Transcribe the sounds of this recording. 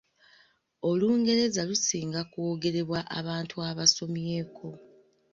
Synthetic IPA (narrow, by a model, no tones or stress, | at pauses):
o̞luːŋɡe̞ɾe̞zalusiːŋɡakwoɡe̞ɾe̞βwaʔa̰βaːntʰuaβaso̞mje̞ːkʰo̞